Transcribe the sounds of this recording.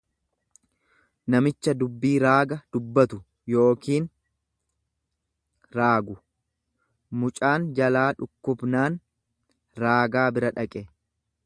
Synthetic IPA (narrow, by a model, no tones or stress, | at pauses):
nɐmɪt͡ʃːɐd̪ʊbːiːɾaːɡɐd̪̥ʊbːɐt̪ʊ | jo̞ːkiːn | ɾaːɡʊ | mʊt͡ʃʼaːnd͡ʒɐlaːᶑʊkːʊbnaːn | ɾaːɡaːbɪɾɐᶑɐkʼɛ